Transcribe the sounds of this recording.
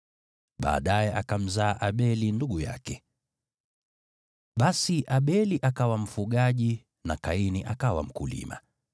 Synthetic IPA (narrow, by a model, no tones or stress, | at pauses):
ɓa̰ːɗajɛʔakam̩zaːʔaɓɛlinduɡuja̰kɛ | ɓasiʔaɓɛliʔakawam̩fuɠaʄi | nakainiʔakawa̰m̩kulḭma̰